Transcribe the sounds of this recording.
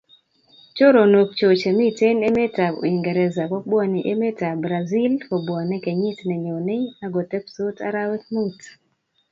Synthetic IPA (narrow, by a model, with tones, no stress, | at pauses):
t͡ʃo˦ɾo˨no˨k̚t͡ʃo˨t͡ʃe˨mi˦te˦ne˦me˦ta˨o̰˨i˨ŋɡɛ˨ɾɛ˨za˨kɔ˦ɓwɔ˨ni˨ʔe˦me˦ta˨bɾa˨zi˦lko˨bwa˨nɛ˦kɛ˨ɲi˦tnɛ˨ɲo˨ne˦a˦ɡo˨tɛ˦pso˦ta̰˦ɾa˦wɛ˦t̪̚mu˦t